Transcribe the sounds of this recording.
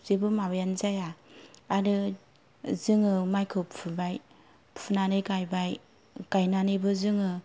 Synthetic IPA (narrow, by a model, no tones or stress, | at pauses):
zebɯmabjanzajaaɾɯ | zɯŋɯmajkʰɯwppʰɯbaj | pʰunanɯjkajbaj | kajnanɯbɯzɯŋɯ